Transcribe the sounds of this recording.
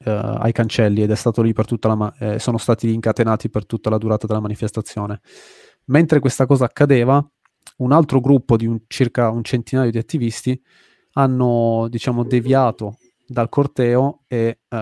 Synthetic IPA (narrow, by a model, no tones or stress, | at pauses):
a̰jkant͡ʃɛlːied̪ɛst̪aːt̪olipert̪ut̪ːalamasːoːnost̪aːt̪iiːŋkat̪enaːt̪ipert̪ut̪ːalad̪uɾaːt̪ad̪elamanifest̪at̪sːjoːne | ment̪ɾekwest̪akɔːzaːkːad̪eːva | unalt̪ɾoɡɾupːod̪iunt͡ʃirkaunt͡ʃent̪inaːjod̪iat̪ːivist̪i | anːod̪it͡ʃaːmod̪evjaːt̪o | d̪alkort̪ɛːoe